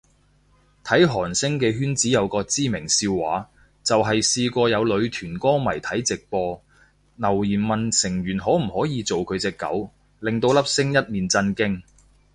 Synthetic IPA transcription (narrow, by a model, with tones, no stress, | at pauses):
t̪ʰɐ˨˥jɦɔː˨˩nsɪ˥ŋkɛː˧ɦyː˥nt͡siː˨˥jɐ˨˧wkɔː˧t͡siː˥mɪ˨˩ŋsiː˧wːaː˨˥ | t͡sɐ˨wɦɐ˨jsiː˧kɔː˧jɐ˨˧wlɵ˨˧ɥt̪ʰyː˨˩nkɔː˥mɐ˨˩jt̪ʰɐ˨˥jt͡sɪ˨k̚pɔː˧ | nɐ˨˩wjiː˨˩nmɐ˨nsɪ˨˩ŋɥyː˨˩nɦɔː˨˥m̩˨˩hɔː˨˥jiː˨˧t͡so˨wkʰɵ˨˧t͡sɛː˧kːɐ̰˨˥w | lɪ˨ŋt̪̬o˧wlɐ˥p̚sɪ˥ŋjɐ˥t̚miː˨˩nt͡sɐ˧nkɪ˥ŋ